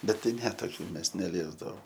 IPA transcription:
bʲɛt ˈtɐɪ ˈnʲɛ toːˈkʲuː ˈmʲɛs nʲɛˈlʲiɛzdɐʋoːm

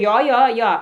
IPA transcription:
ˈjoː ˈjoː ˈjoː

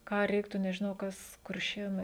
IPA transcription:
ˈkɑː ˈrʲɛɪktuː nʲɛʒʲɪˈnɐʊ ˈkɐs kʊrʲˈʃʲeːnɐɪ

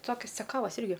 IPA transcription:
ˈtoːkʲɪs t͡sʲɛˈkɑːʋɐs ˈɪrʲɡʲɪ

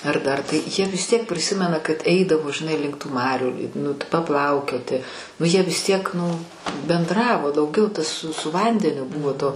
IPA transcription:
ɐr ˈdɐr tɐɪ jiɛ ʋʲɪs tʲiɛk pʲrʲɪˈsʲɪmʲɛnɐ kɐt ˈɛɪdɐʋoː ʒʲɪˈnɐɪ lʲɪŋk tuː ˈmɑːrʲuː nʊ pɐˈplˠɐʊkʲoːtʲɪ nʊ ˈjiɛ ʋʲɪs ˈtʲiɛk nʊ bʲɛnˈdrɑːʋoː dɐʊˈɡʲɛʊ tɐs s sʊ ˈʋɐnʲdʲɛnʲʊ ˈbʊʋoː toː

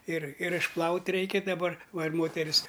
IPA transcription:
ɪr ɪr ɪʃˈplˠɐʊtʲ ˈrʲɛɪkʲɛ dɐˈbɐr ˈʋɐ ɪr ˈmoːtʲɛrʲɪs

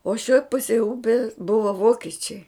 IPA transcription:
oː ʃʲoːj ˈpʊsʲeːj ˈʊpʲɛs ˈbʊʋɐ ˈʋoːkʲɛt͡ʃʲɛɪ

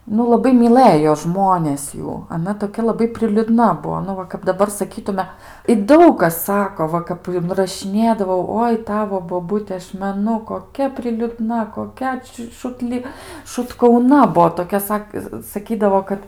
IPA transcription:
nʊ lˠɐˈbɐɪ mʲɪˈlˠɘjoː ˈʒmoːnʲeːs ˈjuː ɐˈnɐ toːˈkʲɛ lˠɐˈbɐɪ pʲrʲɪlʲʊˈdnɐ ˈbuɔ ˈnʊ ʋɐ kɐp dɐˈbɐr sɐˈkʲiːtʊmʲɛ ɪ ˈdɐʊk kɐs ˈsɑːkoː ˈʋɐ kɐp ɪnrɐʃʲɪˈnʲeːdɐʋɐʊ ˈoːɪ ˈtɑːʋoː boːˈbʊtʲɛ ˈɐʃ mʲɛˈnʊ koːˈkʲɛ pʲrʲɪlʲʊˈdnɐ koːˈkʲɛ t͡ʃʲɪ ʃʊtʲˈlʲɪ ʃʊtkɐʊˈnɐ ˈbuɔ toːˈkʲɛ ˈsɐk sɐˈkʲiːdɐʋoː ˈkɐt

